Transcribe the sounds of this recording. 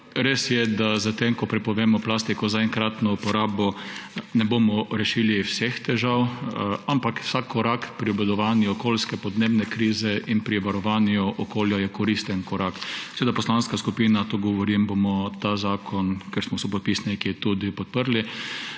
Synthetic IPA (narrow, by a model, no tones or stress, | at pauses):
ɾesjɛd̪azat̪emkɔpɾɛpɔʋeːmɔplast̪ikɔzaɛŋkɾat̪nɔupɔɾaːbɔnɛboːmɔɾɛʃiliwsext̪ɛʒawampakwsakʰːɔɾakpɾiɔbɛd̪ɔʋaːnjuɔkoːlskɛpɔd̪neːbnɛkɾiːzɛʔinpɾiʋaɾɔʋaːnjʊʔɔkoːljajɛkɔɾist̪ənkɔɾaksɛʋeːd̪apɔslanskaskupiːnat̪oɡɔʋɔɾimbomɔt̪aːzaːkʰɔnkɛɾsmɔsɔp̬ɔt̪̚pisnikit̪ud̪ipɔt̪̚pəɾli